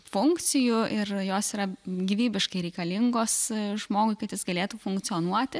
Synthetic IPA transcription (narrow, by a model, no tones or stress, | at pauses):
fʊŋktt͡s̪ʲɪjʊʔɪrjoːsiːɾɐɡʲiʋʲiːbʲɪʃkɐɪɾʲɛɪkɐlʲɪŋɡoːsʒmoːɡʊɪkɐt̪jɪsɡɐlʲeːt̪uːfʊŋkt̪t͡s̪sʲɪjonuɔt̪ʲɪ